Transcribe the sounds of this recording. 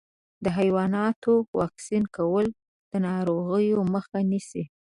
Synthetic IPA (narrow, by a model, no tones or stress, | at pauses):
d̪əɦajwɑnɑt̪owɑksinkawəl | d̪̥ənɑɾoɣəjoməxanisi